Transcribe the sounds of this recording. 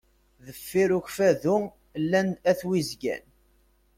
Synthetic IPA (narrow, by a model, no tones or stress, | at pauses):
ðəfːiɾuçfæðʊ | lːænæθwizɡæ̰n